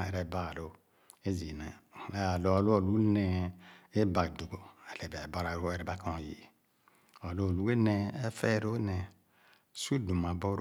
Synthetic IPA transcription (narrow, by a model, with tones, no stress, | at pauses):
e˨ɾɛ˨ba˦˨lo˦ | e˦zi˨nẽ˨˦a˨lo˨lo˦o˨lu˦nɛ˨e˦ba˨du˨ɡo˦ɛ˨le˨ba˨bo˦ɾa˨ɾo˦ɛ˨ɾɛ˨ba˦kã˨jḭ˨ | o˨lo˦o˨lu˦ɡe˦nɛ̃˨e˦fɛ˦˨ɾo˦nɛ˨ | su˦du˨ma˨bo˦ɾ